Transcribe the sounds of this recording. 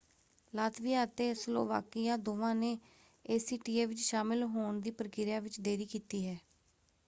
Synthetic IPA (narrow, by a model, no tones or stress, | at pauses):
laːt̪ʋɪjãːət̪eːslo̰ːʋa̰ːkɪjãːd̪oːʋãːneː | eːsiːʈiːeːʋɪt͡ʃʃaːmɪlɦoːɳd̪iːpəɾkɪɾjaːʋɪt͡ʃd̪eːɾiːkiːt̪iːɦɛː